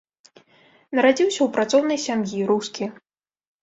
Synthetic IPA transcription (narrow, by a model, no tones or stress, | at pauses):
nɐɾad͡zʲiwsʲɐwpɾat̪sɔwn̪ɐjsʲamjiɾuskʲi